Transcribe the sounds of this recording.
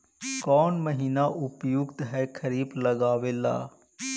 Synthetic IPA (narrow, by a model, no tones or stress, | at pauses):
kɔːnməɦiːnaʔʊpjʊɡt̪ɦɛːkʰɐɾiːblɐɡaːʋeːla̰ː